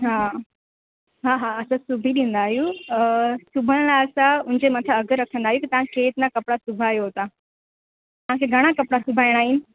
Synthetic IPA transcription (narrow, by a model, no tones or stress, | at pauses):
ɦa | ɦaːɦaɐsãsʊbʱiɗĩːn̆d̪aːɦiju | sʊbʱəɽ̃laːlsãʊɦɪ̃ɲd͡ʑemɐt̪ʰəɐɡəɾɐkʰə̃nd̪aːɦjukit̪ɐʋ̤ãkʰeɪt̪nakɐpɽasʊbʱaːjoɦoːt̪a | t̪ɐʋ̤ãkʰeɡʱɐɽ̃akɐpɽasʊbʱaːiɽ̃aːɦɪnɪ̆